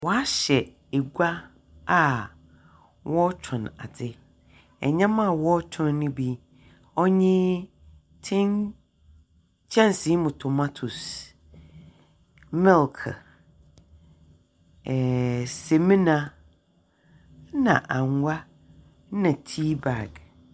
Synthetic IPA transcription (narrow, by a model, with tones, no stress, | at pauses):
wɔ˨a˦ɕɛ˨ | e˨ɡʷa˦ | a˨ | wʔɔ˦t͡ɕʰɔ̃˨na̰˨dɪ˦ | ɛ̰˨ɲã˦mã˦˨wɔ˦t͡ɕᶣʰʊ̃˦nːʊ̃˦bi˦ | ɔ˦ɲɪ̃˦ | tʰɪ̃˦n | t͡ɕʰɛ̃˦nsi˨˦mʊ̃˨tʰʊ˨ma˦tʰu˨s | mɪ˦lkʰ | ɛ˨sɛ˨mĩ˦nã˨ | nã̰˨ʔã˨ŋʷa˦ | nã˨tʰi˦ba˨ɡ